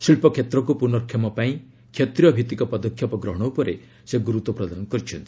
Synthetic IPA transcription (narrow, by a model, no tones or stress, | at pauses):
silpɔkʰjet̪ɾɔk̬upunɔɾkʰjɔmɔpaĩ | kʰjet̪ɾijɔbʱit̪ikɔpɔd̪ɔkʰjɔpɔɡɾɔɦɔɽ̃ɔupɔɾe | seɡuɾut̪ɔpɾɔd̪anɔkɔɾit͡ʃʰɔnt̪i̥